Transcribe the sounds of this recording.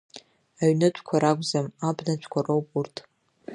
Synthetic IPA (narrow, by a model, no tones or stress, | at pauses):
aɥnɨt͡ʃʷʰʼkʷʰaɾakʷʼzamabnat͡ʃʷʰkʷʰarowpʼurtʰʼ